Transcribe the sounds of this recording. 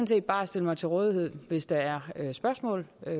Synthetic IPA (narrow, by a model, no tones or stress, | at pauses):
nse̝̰ːd̚b̥ɑ̈ːæsd̥e̝ləmɑ̈ɪt͡sʰe̝lʁɔ̽ːðˠiɦe̝ð̞̰ˠʋe̝sd̥ɑ̈æɐøsb̥ɶɐsmɔ̰ːl